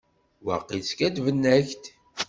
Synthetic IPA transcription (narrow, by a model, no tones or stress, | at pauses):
wɑ̰qːiskæd̪vənːæçt̪